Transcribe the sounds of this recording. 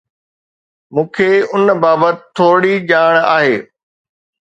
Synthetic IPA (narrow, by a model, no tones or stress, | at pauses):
mũːkʰeːʊnbaːbət̪ɪ̥t̪ʰːoːɽiʄaːɽ̃a̰ːɦeː